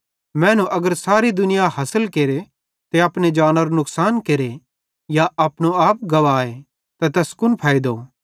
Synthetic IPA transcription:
mɛ̃ːnũʔɐɡəɾsaːɾid̪ʊnɪjaɦɐsəlkeːɾe | t̪eɐpned͡ʒaːnəɾonʊksaːnkeɾe | jaʔɐpnoaːp̚ɡɐʋaːe | t̪at̪ɐskʊnpʰaːid̪oː

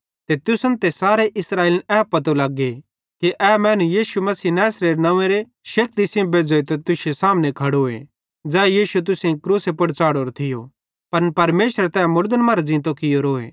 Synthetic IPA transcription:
t̪et̪ʊsɐnt̪esaːɾeʔɪsɾaːeːlɛpːɐt̪olaːɡe | kiʔɛːmɛ̃ːnũjiːʃumɐsiːnɛːsɾeɾnɐ̃ẽɾe | ʃɐk̚t̪isẽõbeːd͡zoːet̪ɐt̪ʊsesaːmnekʰɐɽoːḛ | d͡zɛːjiːʃut̪̬ʊsẽkɾuːsepɐɽt͡saːɽoːɾot̪ʰɪjo | pɐnpɐɾmeːʃəɾt̪ɛmʊɾd̪ənmɐɾd͡zɪ̃nt̪okɪjoɾoːḛː

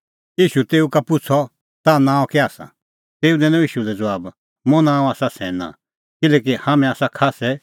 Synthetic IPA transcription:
iːʃut̪eːukapʊt͡sʰɔ | t̪anãːɔ̃kɛaːsã̰ | t̪eːud̪ɛ̃nɔ̃iːʃulɛd͡zʋaːb | mõnãːɔ̃aːsasɛ̃ːnã̰ | kɪlɛːk̬ihaːmɛ̃aːsakʰaːsɛ

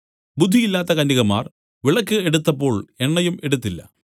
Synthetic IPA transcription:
bud̪ʱːijilːaːt̪ːɐkɐnːiɣɐma̰ːr | ʋiɭɐkːɨeɽut̪ːɐpːo̞ːɭe̞ɳːɐjume̞ɽut̪ːilːɐ̰

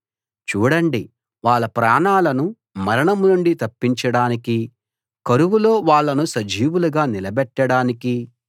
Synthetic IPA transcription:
t͡ʃuːɽɐɳɖi | ʋaːɭːɐpɾaːɳaːlɐnu | mɐɾɐɳɐmunuɳɖit̪ɐpːiɲt͡ʃɐɽaːniki | kɐɾuʋulo̞ːʋaːɭːɐnusɐd͡ʒiːʋuluɡaːnilɐbɛʈːɐɽaːniki

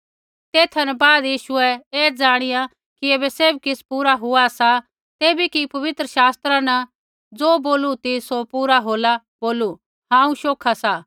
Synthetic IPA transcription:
t̪eːt̪ʰɐnɛbaːd̪jiːʃʊɛeːd͡zaːɽ̃ɪja | kieːbɛseːbkɪspuːɾaɦʊasa | t̪eːbikipɐʋɪt̪ɾəʃaːst̪ɾanɐ | d͡zoːboːlut̪isopuːɾaɦoːla | b̥oːlu | ɦãːũʃoːkʰasaː

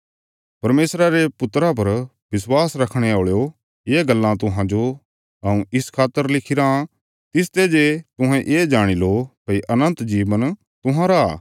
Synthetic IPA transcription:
pɐɾmeːsɾaɾepʊt̪ɾap̬ɐɾ | bɪswaːsɾɐkʰɽ̃eoːɭjo | jeːɡɐlːãt̪̬ʊɦãd͡ʒo | ɦɐũɪskʰaːt̪ːəɾlɪkʰɪɾã | t̪ɪs̬t̪ed͡ʒet̪ʊ̃ɦɛ̃ʔeːd͡ʒaːɽ̃ilokɐiʔɐnə̃nt̪d͡ʒiːʋən | t̪ʊɦãɾaː

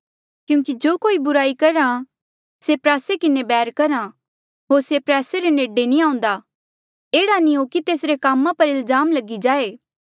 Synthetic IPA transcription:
kjũːŋkid͡ʒoːkoːibʊɾaːikɐɾã | sepɾɛːsekɪnebɛːɾkɐɾã | ɦoːɾsepɾɛːseɾeneːɖenĩãːʊ̃nd̪a | eːɽanĩɦokit̪eːsɾekaːmãpɐɾɪlzaːmlɐɡid͡ʒaːeː

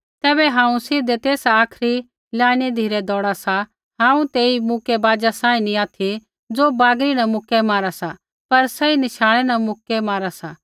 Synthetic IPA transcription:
t̪ɛːbɛɦãːũsɪd̪et̪eːsaːkʰɾi | lãːɽ̃ed̪ʱiːɾɛd̪ɔːɽasa | ɦãːũt̪eːimʊkɛbaːd͡ʒasãːĩniaːt̪ʰi | d͡zoːbaːɡɾinɐmʊkɛmaːɾasa | pɐɾsɛinɪʃaːɭ̃ɛnɐmʊkɛmaːɾasa

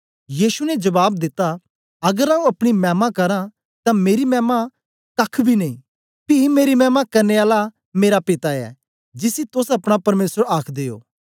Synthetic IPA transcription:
jiːsunɛd͡ʒɐbaːb̚d̪ɪt̪ːa | ɐɡəɾãːũɐpɽ̃imɛ̃ːmãkɐɾã | t̪ameːɾimɛ̃ːmã | kɐkʰbʱineĩ | pimeːɾimɛːmãkɐɾneaːla | meːɾapɪt̪aɛ̰ː | d͡ʒɪsit̪ʊsɐpɽ̃apɐɾmeːsəɾaːkʰd̪eːo̰ː

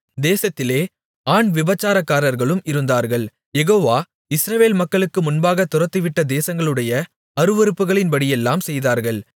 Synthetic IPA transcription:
d̪eːsɐt̪ːɪleː | aːɳʋɪbɐt͡ʃːaːɾɐkːaːɾɐɾɣɐɭɯmɪɾɯnd̪aːɾɣɐɭ | jɛɣoːʋaː | ɪsɾɐʋeːlmɐkːɐɭɯkːɯmʊnbaːɣɐt̪ːʊɾɐt̪ːɯʋɪʈːɐd̪eːsɐŋɡɐɭɯɽɐjɐ | ɐɾɯʋɔɾɯpːɯɣɐɭɪnpɐɽɪjɛlːaːmsɛjðaːɾɣɐɭ

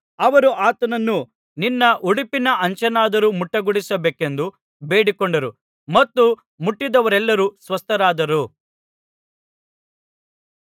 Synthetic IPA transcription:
ɐʋɐɾuʔaːt̪ɐnɐnːu | ninːɐʔuɽipinɐʔɐɲt͡ʃɐnaːd̪ɐɾumuʈːɐɡuɽisɐbeːke̞nd̪u | beːɽikɔɳɖɐɾu | mɐt̪ːu | muʈːid̪ɐʋɐɾɛlːɐɾusʋɐst̪ʰɐɾaːd̪ɐɾu

